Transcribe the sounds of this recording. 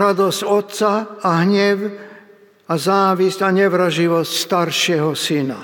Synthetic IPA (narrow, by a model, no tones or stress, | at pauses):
ɾad̪ɔsɟɔt̪saːɦɲɛw | azaːʋiscaɲɛʋɾaʒiʋɔscst̪aɾʃɪɛɦɔsina